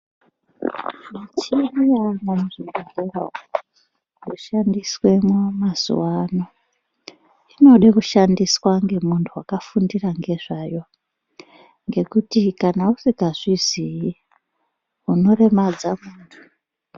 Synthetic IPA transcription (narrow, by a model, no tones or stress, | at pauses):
mat͡ʃirianamuʐimɡarura̰ | ruʃandiswe̞momaz̥ṵwano̞ | ino̞ɗakuʃandiswaŋɡe̞muntʰuwakafundiraŋɡe̞ʐaːjo̞ | ŋɡe̞kutikanausikaʐizi | uno̞re̞mad͡zamuːntʰu̥